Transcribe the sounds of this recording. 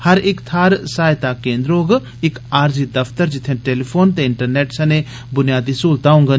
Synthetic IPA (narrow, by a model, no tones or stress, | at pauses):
hɐɾɪkt̪ʰaːɾsaːjt̪akẽːnd̪ɾoːɡ | ɪkaːɾzid̪ɐft̪əɾd͡ʒɪt̪ʰẽʈeːlipʰoːnt̪ẽɪɳʈəɾneːʈsɐne | bʊnijaːd̪isuːlt̪aːũŋɡə